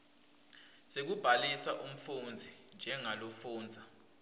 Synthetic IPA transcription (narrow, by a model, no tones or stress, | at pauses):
sek̬ub̥ʱalisaʔum̩fund͡zʱind͡ʒʱɛŋalofuːnd͡zʱa